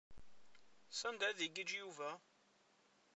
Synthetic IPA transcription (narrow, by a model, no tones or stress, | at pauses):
sænd̪æðiɡəd͡ʒjuvæ